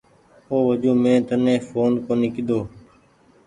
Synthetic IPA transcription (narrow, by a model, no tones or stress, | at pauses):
oːʋəd͡ʒũːmẽːt̪ənẽːfoːnkõːnɪkɪd̪oː